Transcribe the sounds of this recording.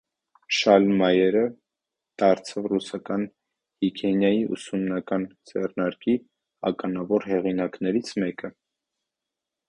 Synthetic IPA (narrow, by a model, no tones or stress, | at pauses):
ʃɑlmɑjɛɾə | d̪̥ɑɾt͡sʰɑvrusɑkɑn | hikʰɛnjɑjiʔṵsumnɑkɑnd͡zɛrnɑɾki | ɑ̰kɑnɑvɔɾɦɛʁinɑknɛɾit͡sʰmɛkə